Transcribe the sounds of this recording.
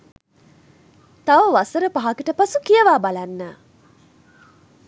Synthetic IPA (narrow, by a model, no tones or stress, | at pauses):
t̪aʋəʋasəɾəpaɦakiʈəpasukijəʋaːbalanːə